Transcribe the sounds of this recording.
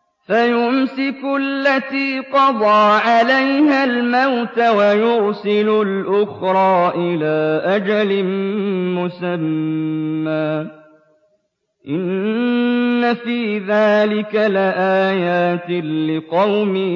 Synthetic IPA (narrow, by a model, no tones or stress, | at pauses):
fajʊmsɪkʊlːat̪iːqɑd̪ˤɑːʕalajhalmawt̪awajʊɾsɪlʊlʔʊxɾˤɑːʔɪlaːʔad͡ʒalɪmmʊsamː | aː | ʔɪnː | afiːðaːlɪkalɪʔaːjaːt̪ɪːɪqɑwmi